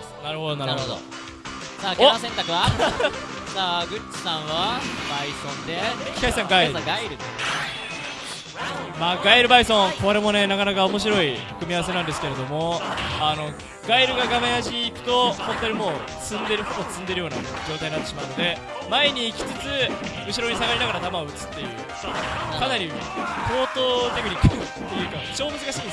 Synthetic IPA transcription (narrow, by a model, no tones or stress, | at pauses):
naɾɯ̟hod̪onaɾnɾod̪o̰ | saːkeomas̬ẽnt̪akɯ̟βa | saːɡɯ̟t͡ɕi̥sãɰ̃βabaisõ̞nd̪ekʲi̥kaisãŋɡaisaɡaiɾɯ̟d̪e | maːɡaiɾɯ̟baisõ̞ŋkoɾemo̞ne̞nakanakaomo̞ɕ̬iɾo̞ikɯ̟mʲiaβas̬e̞nãnd̪esɨ̥keɾe̞d̪o̞mo̞ano̞ | ɡaiɾɯ̟ɡaɡamejaʑiːkɯ̟̥t̪o̞hõ̞nt̪oɲimo̞ː | t͡sɨ̃nd̪e̞ɾɯ̟hobot͡sɨ̃nd̪e̞ɾɯjo̞ːna̰d͡ʑo̞ːt̪aɲiat̪ːeɕimaɯ̟no̞d̪e̞ | maeɲ̟iːkʲi̥t͡sɨt͡sɨ | ɯ̟ɕ̬iɾo̞ɲ̟is̬aɡaɾʲinaɡaɾad̪amaoɯ̟t͡sɨ̥t̪ːe̞jɯ̟̰ː | kanaɾʲi | po̞ːt̪o̞t̪ekɯ̟ɲ̟ikːɯ̥ɯ | t̪ːejɯ̟kat͡ɕo̞ːmot͡sɨɡaɕin